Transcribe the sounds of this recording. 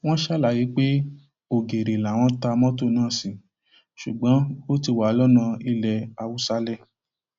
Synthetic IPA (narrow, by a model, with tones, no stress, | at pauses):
w̃ɔ̃˦ʃɛ˦˨la˨ji˨˦k͡pe˦ | o˨ɡe˨ɾe˨la˨w̃ɔ̃˧˦ta˧mɔ̃˦to˦˨nãː˦˨sĩ˨ | ʃu˨ɡ͡bɔ̃˨˦o˦ti˧˨wa˨˦ɔ˧lɔ˦nã˧i˧lɛ˧a˧wu˦sa˧˦lɛ˦˨